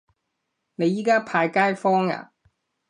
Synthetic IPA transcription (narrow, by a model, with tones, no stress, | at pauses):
ne˨˧jːiː˥kaː˥pʰaː˧jkaː˥jfɔː˥ŋa̰ː˨